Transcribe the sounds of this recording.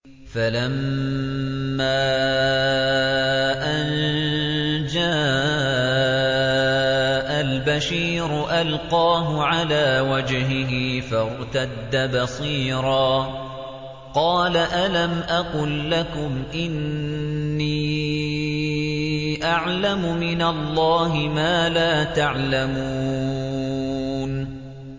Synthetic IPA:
falam | aː | ʔan | d͡ʒaː | ʔalbaʃiːɾʊʔalqɑːɦʊʕalaːwad͡ʒɦɪɦɪfɑɾˤt̪ad̪ːabɑsˤiːɾɑː | qɑːlaʔalamʔaqʊlːakʊmʔɪnː | iː | ʔaʕlamʊmɪnalˤːɑːɦɪmaːlaːt̪aʕlamuː | n

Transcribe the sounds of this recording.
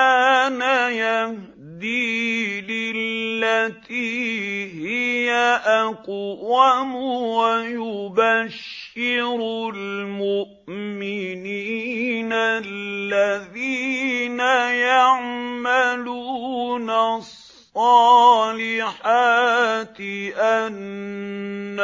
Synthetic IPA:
aːnajah | d̪iːlɪllːat̪iːhɪjaʔaqwamʊwajʊbaʃːɪɾlmʊʔmɪniːnalːaðiːnajaʕmaluːnasˤːɑːlɪħaːt̪ɪʔanː

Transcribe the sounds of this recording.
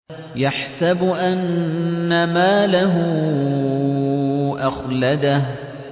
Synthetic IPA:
jaħsabʊʔanːamaːlaɦʊ | ʔɑxlad̪ah

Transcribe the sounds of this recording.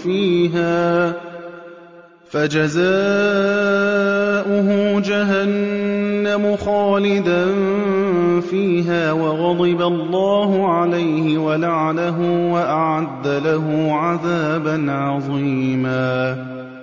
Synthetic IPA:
fiːɦaː | fad͡ʒazaː | ʔʊɦʊd͡ʒaɦanː | amʊxaɑːlɪd̪an | fiːɦaːwɑɣɑd̪ˤɪbalˤːɑːɦʊʕalajhɪwalaʕalaɦʊwaʔaʕad̪ːalaɦʊːʕaðaːbanʕɑðˤiːmaː

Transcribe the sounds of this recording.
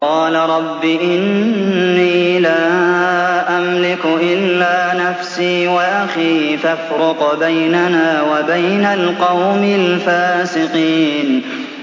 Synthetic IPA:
qɑːlaɾˤɑbːiʔɪnː | iːlaː | ʔamlɪkʊʔɪlːaːnafsiːwaʔaxifafɾʊqbajnanaːwabajnalqɑwmɪlfaːsɪqiːn

